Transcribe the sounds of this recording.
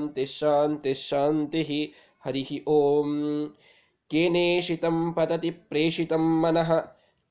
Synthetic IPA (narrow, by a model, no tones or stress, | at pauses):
nt̪eʃaːnt̪eʃaːnt̪iɦi | hɐɾiɦiʔoːm | keːneːʃit̪ɐmpɐd̪ɐt̪ipɾeːʃit̪ɐmːɐnɐɦɐ